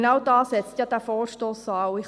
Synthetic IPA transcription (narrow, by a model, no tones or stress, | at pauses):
nɑwdɑːsɛt͡st̪jɑːd̥̪æːɾfɔːɾʃtoːsɑːwɪχ